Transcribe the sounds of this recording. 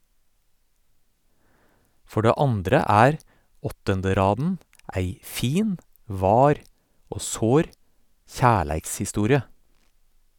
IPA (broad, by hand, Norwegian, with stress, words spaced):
ˈfɔ ˈɖeː ˈɑndɾə ˈæːɾ ˈɔtəndəˌɾɑːdn̩ ˈæɪ ˈfiːn ˈʋɑːɾ ˈoː ˈsoːɾ ˈçæːɭæɪkshɪˌstuːɾɪə